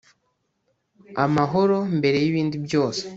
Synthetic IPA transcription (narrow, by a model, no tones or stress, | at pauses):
amaɦo̞ɾo̞mbe̞ɾe̞jiβiːndibjo̞ːse̥